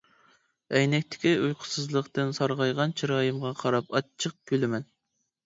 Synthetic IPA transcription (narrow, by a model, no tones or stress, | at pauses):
ɛjnɛkʲt̪ʰɪ̥kʲiujqʰʊ̥sɨzlˠəqt̪ɨnsɑɾʁɑjʁɑnt͡ʃʰiɾɑːjɨmʁɑqʰɑɾɑpɑt͡ʃʰːəq̚kʲølɪmɛn